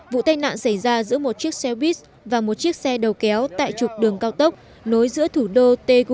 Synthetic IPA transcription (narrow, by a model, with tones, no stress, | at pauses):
vṵ˧˨t̪aː˧jna̰ː˧˨nsa˧˩jzaː˧zɨ̰˧˥əmo˨˩t̚t͡ɕi˦˥ək̚sɛ˧wɓi˦˥t̚ | vaː˨˩mo˨˩t̚t͡ɕi˦˥ək̚sɛ˧ɗə˨˩wkɛ˨˦wt̪a̰ː˧˨jt͡ɕʊ˨˩k͡p̚ɗɨ˨˩əŋkaː˧wt̪ə˦˥wk͡p̚ | no˨˦jzɨ̰˧˥ət̪ʰu˧˩ɗo˧t̪e˧ɣ